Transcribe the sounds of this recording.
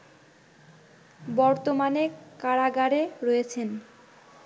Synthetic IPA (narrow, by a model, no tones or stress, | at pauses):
bɔɾt̪omanekaɽaɡaɾeɾɔjet͡ɕʰen